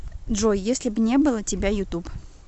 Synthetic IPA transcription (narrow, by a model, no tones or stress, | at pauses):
d̪ʐojjesʲlʲɪbnʲebɨlˠətʲɪbʲajʊt̪up